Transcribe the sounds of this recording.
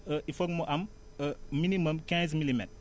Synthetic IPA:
əʔifok̚moʔam | əminimɐmkɛ̃z̬milimɛ̰t̚

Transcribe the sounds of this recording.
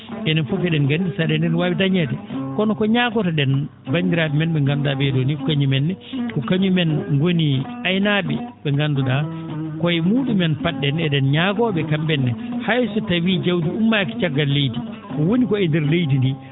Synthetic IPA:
ʔɛnɛnfɔkɛɗɛnɡandisaɗɛndɛnwabitaɲɛtɛkɔnɔkɔɲaːɡɔtaɗɛn | bandiɾaɓɛmɛnɓɛŋɡandudabɛdonikɔkaɲumɛnːɛkɔkaɲumɛnŋɡoniʔajnaɓɛ̰ɓɛŋɡanduɗa | kɔjmuːɗumɛnpaɗːɛnɛɗɛnɲaɡɔːɓɛkambɛnːɛhajsɔtawid͡ʒawdiumːaki̥t͡ʃaɡːalːejti | kɔwonikɔɛndɛɾlejt̬indi

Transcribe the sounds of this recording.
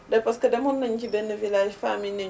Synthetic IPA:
daɸɐskɐdɐmʊnːɐŋkʲibɛnːɐvilaːjifamɪne

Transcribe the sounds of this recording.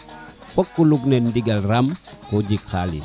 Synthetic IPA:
pɔkːuluɡnɛndiɡalramkɔɟikalḭ

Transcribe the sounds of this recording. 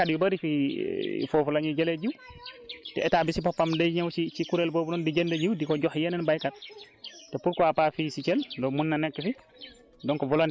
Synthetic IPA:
kadjubəɾifi | fɔfɔlaɲid͡ʒɛlɛd͡ʒiw | tɛ̰ɛtabisipapːamdɛjɲawsit͡ʃikuɾɛlboːbunɔndid͡ʒɛndɛd͡ʒiwdikɔd͡ʒɔhjɛnɛnbajkat̚ | tɛpuɾkɔapafisit͡ʃɛldɔmunːanɛkːɛfi | dɔnkɔvɔlan

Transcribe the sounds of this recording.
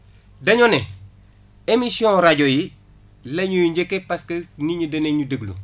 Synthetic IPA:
dɐɲone | emisiõɾaɟoji | lɐɲujɲɟekːepɐskɐniɲudɐneɲudəɡlṵ

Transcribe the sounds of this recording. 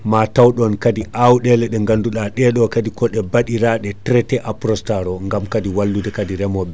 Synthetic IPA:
matawɗɔnkadiʔawɗɛlɛɗɛŋɡanduɗaɗɛɗɔkadikɔɗɛbaɗiɾaɗɛtɾɛtɛʔapɾɔstaɾɔŋɡamkadiwalːudɛkadiɾɛmɔɓɛ

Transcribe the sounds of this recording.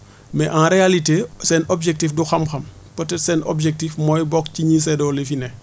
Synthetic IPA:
mɛʔãɾealitesenʔobd͡ʒek̚tifduxɐmxɐm | potɛtseno̰bd͡ʒek̚tifmojbɔkciɲis̬edolefine

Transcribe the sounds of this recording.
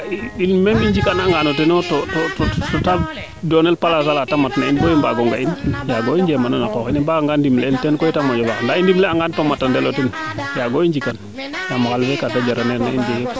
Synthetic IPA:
iinmemiɲd͡ʒikanaŋɡanotenɔtotototɔta | dɔnelpalas̬alatamatnainbojimbaɡɔŋɡainjaɡoind͡ʒemananakɔxinimbaŋɡandimleːltɛnkojitamod͡ʒobandaindimleaŋɡantomatːandeloten | jaɡoiɲd͡ʒikan | namaxalfekatad͡ʒaɾaneɾnaindih

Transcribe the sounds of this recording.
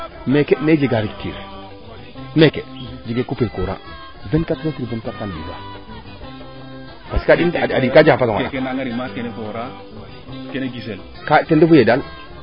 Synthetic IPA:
mekened͡ʒeɡaɾiktḭɾ | meked͡ʒiɡekupekoɾa̰ | venkatetuɾvenkatandḭba̰ | pasi̥kadinadikad͡ʒakapasŋkenaŋaɾimakenekoɾa | keneɡisel | katendefujedal

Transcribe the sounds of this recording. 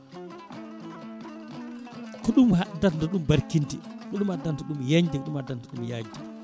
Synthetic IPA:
kɔɗumhadːandɔɗumbaɾkinti | kɔɗumhadːantɔɗumjaɲd͡ʒikɔɗumhadːantɔɗumjaɲd͡ʒd͡ʒi

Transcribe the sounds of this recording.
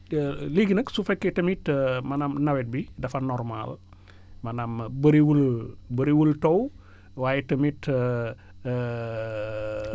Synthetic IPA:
liɡinəksufekːetɐmitmɐnamnɐwet̚bidɐfɐnɔɾrma̰l | mɐnambəɾiwulbəɾiwultow | waːjetəmit

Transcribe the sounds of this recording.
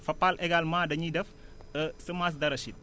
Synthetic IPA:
fɐpalʔeɡalmadɐɲidəf | əsəmas̬dɐɾɐsit̪̚

